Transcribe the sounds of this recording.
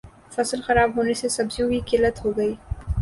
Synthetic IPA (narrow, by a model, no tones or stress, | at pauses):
fɐsəlxɐɾaːbɦoːnesesɐbzijõkikɪlət̪ɦoɡɐiː